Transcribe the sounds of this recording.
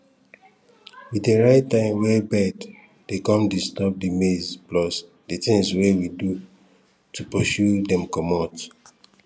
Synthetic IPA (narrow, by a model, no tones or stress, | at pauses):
wideɹaɪtːãɪ̃mwɛbɛd | d̥ekɔ̃mdistɔp̚dimezblɔs | detĩŋswewidu | tupɔʃudɛ̃mkɔmɔt